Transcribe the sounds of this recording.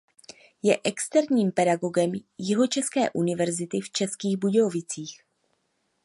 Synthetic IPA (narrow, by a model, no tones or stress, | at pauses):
jɛʔɛkst̪ɛɾɲiːmpɛdaɡo̞ɡɛmjɪɦo̞t͡ʃɛskɛ̰ːʔunɪvɛɾzɪt̪ɪft͡ʃɛskiːɣbuɟovɪt͡siːx